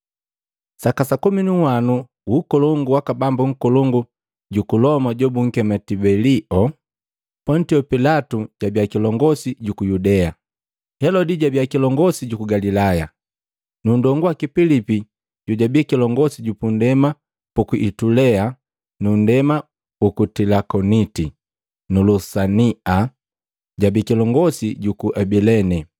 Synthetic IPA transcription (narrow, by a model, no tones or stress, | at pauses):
sakasakuminuwanu | ukɔlɔŋɡuwakabambuŋ̩kɔlɔŋɡu | ɟukulɔmaɟɔbuŋ̩kɛmatibɛliʔɔ | pɔntiɔpilatuɟabjakilɔŋɡɔsiɟukujudɛa | hɛlɔdiɟabjakilɔŋɡɔsiɟukuɡalilaja | nundɔŋɡuwakipilipi | ɟuɟabikilɔŋɡɔsiɟupundɛma | pukuʔitulɛa | nundɛma | pukutilakɔniti | nulusania | ɟabikilɔŋɡɔsiɟukuʔɛbilɛnɛ